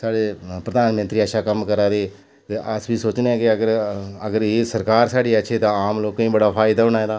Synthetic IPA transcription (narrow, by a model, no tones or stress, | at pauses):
saːɖeːpɾəd̪aːnmə̃nt̪ɾiːəʃaːkəmkəɾaːd̪eː | eʔəsbʱiːsoːt͡ʃneɛ̃ːkɪəɡəɾəɡəɾeːsəɾkaːɾsaːɽiːəʃʰeːt̪ãaːmloːkːəĩːbəɽaːpʰaːɪd̪aːɦoɳaːẽːd̪aː